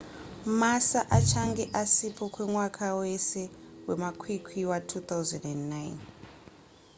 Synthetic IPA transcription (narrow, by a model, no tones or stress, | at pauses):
masaʔat͡ʃʰaŋɡe̞ʔasipokwe̞mwakʰawesewemakʰwikʰwiwatʰuːt̪awzendendnajn